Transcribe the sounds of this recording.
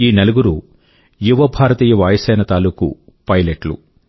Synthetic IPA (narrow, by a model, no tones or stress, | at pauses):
iːneluɡuɾu | juʋɐbʱaːɾɐt̪iːjɐʋaːjɐsɛːnɐt̪aːluːkṵ | pɐjleʈlṵ